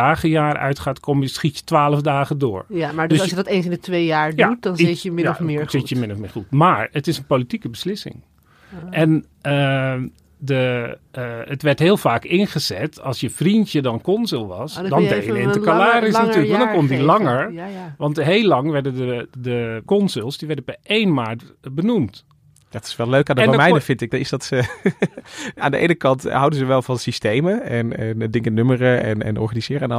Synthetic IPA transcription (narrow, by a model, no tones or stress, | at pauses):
aːχəjaːrœ̰ɥtχaːtkʰoməsχitjə̥tʋaːləvdaːχədʊːɹmadøsjədɔtens̬ɪndətʋejjaːɹdjautdɔnəmɪɹsɪjəmɪnɔfmɪ̰ːɹχutmaːɹətɪsənpolitikəbəslɪsɪ̰ŋ | ɛn | ə | də | ətʋɛɹtɦɪːlˠfaːkɪnχəzɛ̰tɑlˠsjəfrintjədɔnkɔnzɪlˠʋɑsdɔnbejjɪntəkalaːrɪsnatyːləkʋɑndɔnkɔndilɑŋəɹʋɑntɦejlɑŋʋɛɹdədədəkɔnzɪlˠsdiʋɛɹdəpɛʔejnmaːtbənumt | dtɪ̥sʋɛlˠløɥkaːndəɛdmɛjnəfɪntɪɡ̚dnɪsdɑt | a̰ːndəʔḛjnəkɑntɦɑwdənzəʋɛlˠvɑnsistejməɛnɛndɪŋkənømərəɛ̰nɛ̰nɔ̰ɹχanizɪːɾəan